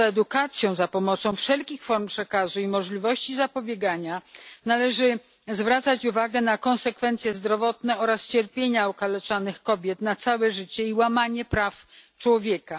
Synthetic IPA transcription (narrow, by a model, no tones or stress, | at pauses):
ɛd̪ukat̪sʲjɔ̃w̃zapɔmɔt̪sɔ̃w̃fʂɛlkʲixfɔɾmpʂɛkazuimɔʐlʲivɔɕt͡ɕizapɔbʲjeɡaɲanalɛʐɘ | zvɾat̪sat͡ɕuvaɡɛnakɔ̃nsɛkfɛnt̪sjɛzd̪ɾɔvɔt̪nɛɔɾast͡ɕɛɾpʲjeɲaɔkalɛt͡ʂanɘxkɔbʲjɛt̪nat̪sawɛʐɘt͡ɕɛiwamaɲɛpɾaft͡ʂwɔvʲjɛka